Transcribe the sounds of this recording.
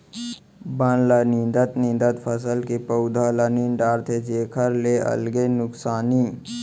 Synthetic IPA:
bənlənĩnd̪ət̪nĩːnd̪ət̪pʰəsəlkipəʊd̪ʱaləniːnɖaːɾt̪ʰed͡ʒeːkʰəɾleʔɐ̰lɡenʊksaːni

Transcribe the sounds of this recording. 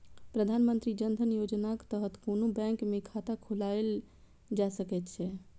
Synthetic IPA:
pɾəd̪ʱanmənt̪ɾid͡ʒənd̪ʱənjod͡ʒnakt̪əɦət̪konobɛ̃ŋkmekʰat̪akʰulael | d͡ʒasəkɛt̪t͡ʃʰɛ

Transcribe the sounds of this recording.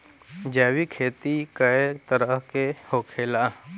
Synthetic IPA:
d͡ʒɛːwikʰeːt̪ikəet̪əɾəɦkehoːkʰeːla

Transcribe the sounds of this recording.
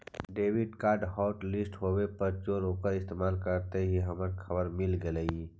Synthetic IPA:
ɖeːwɪɖkaːɾɖɦɔːʈlɪsʈɦoːwepɐɾt͡ʃoːɾoːkəɾɪst̪eːmaːlkəɾt̪eɦiɦɐməɾkʰɐbəɾmɪlɡelei

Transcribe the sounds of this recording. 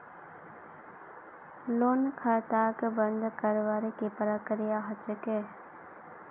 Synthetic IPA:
loːnkʰaːt̪aːkbə̃nd̪kəɾʋaːɾekepəɾakəɾɪjaɦət͡ʃəkeː

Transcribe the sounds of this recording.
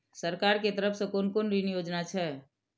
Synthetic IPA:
səɾkaɾket̪əɾəpʰsẽkonkonɾinijoːd͡ʒnat͡ʃʰɛ

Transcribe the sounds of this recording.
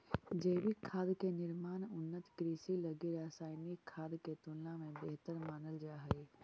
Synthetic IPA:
d͡ʒɐːbʱikʰaːd̪kenɪɾmaːnʊnːət̪kɾiːsilɐɡeɾaːsaːɪnikʰːaːd̪ket̪ʊllãmẽbeɦt̪əɾmaːnəld͡ʒaːɦeː

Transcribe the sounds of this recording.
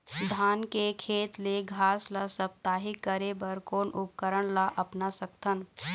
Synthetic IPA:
d̪ʱaːnkekʰeːt̪leɡʱaːslasɐp̚t̪aːɦikːəɾebəɾkoːnʔʊp̚kəɾəɽ̃laʔɐpnasɐk̚t̪ʰən

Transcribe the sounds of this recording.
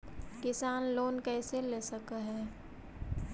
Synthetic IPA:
kɪsaːnloːnkɛːseleːsəkaɦɛː

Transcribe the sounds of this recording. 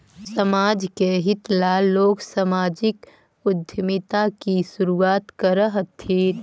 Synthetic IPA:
səmaːd͡ʒkeɦɪt̪laloːksəmaːd͡ʒɪk | ʊd̪ʱjəmɪt̪akisʊɾuaːt̪kəɾəɦt̪ʰːeː

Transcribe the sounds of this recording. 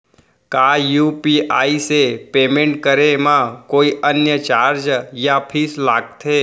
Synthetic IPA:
kajupiʔaːisepemẽɳʈkəɾemãkoːiʔənjət͡ʃaːɾd͡ʒjapʰiːslaːɡt̪ʰe

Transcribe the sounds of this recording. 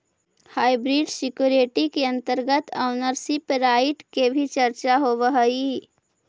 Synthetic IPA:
haːɪbɾiɖsɪkjuːɾeːʈikeə̃nt̪əɾɡət̪əʊnəɾsipɾaːɪʈkebʱit͡ʃəɾt͡ʃaɦoʋəɦəi

